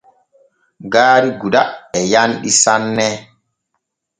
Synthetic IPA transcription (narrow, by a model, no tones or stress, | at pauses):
ɡaːɾiɡuɗaɛjanɗisanːɛ